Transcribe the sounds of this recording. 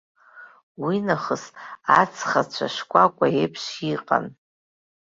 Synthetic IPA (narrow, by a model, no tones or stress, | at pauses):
winaχəsat͡sʰχat͡ɕʷʰaʂkʷʼakʷʼaepʰʂiqʼa̰n